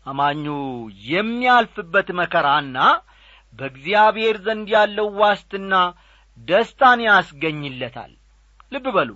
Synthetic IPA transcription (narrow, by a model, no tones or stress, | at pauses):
ʔamaɲːojɛmːialfɨbːət̪məkʰəɾanːa | bəɡzijaβhe̞ɾzənnd̪jalːəwwast̪ɨnːa | d̪əst̪ʰʼaneasɡəɲːɨlːət̪ʰa̰lː | ɨbːɨbəlo